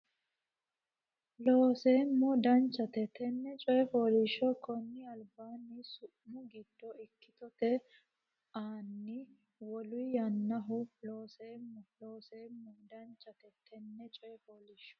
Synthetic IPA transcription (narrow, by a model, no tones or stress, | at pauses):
loːseːmːɔd̪ɐnt͡ʃʼːɐt̪ɛt̪ʰɛnːɛt͡ʃʼɔjɛfoːliʃːɔkʰɔnːɪɐlbaːnːɪsʊʔmʊɡɪd̪̥ːɔɪkːɪt̪ɔt̪ɛ | aːnːɪ | wɔlʊɪjɐnːɐɦʊloːseːmːɔloːseːmːɔd̪ɐnt͡ʃʼːɐt̪ɛt̪ʰɛnːɛt͡ʃʼɔjɛfoːliʃɔ̥